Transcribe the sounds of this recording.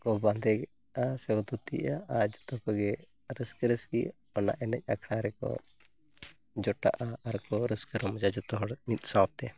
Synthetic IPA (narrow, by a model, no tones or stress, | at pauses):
kɔband̪ɛɡɛ | asɛɡɔd̪ut̪ḭʔaad͡ʒɔt̪ɔkɔɡɛ | ɾəskəɾəski | ɔna̰ʔɛnɛc̚ˀakʰɽaɾɛkɔ̰ | d͡ʒɔʈa̰ʔaaɾkɔɾəskəɾɔmd͡ʒad͡ʒɔt̪ɔɦɔɽmit̪̚sab̚t̪ɛ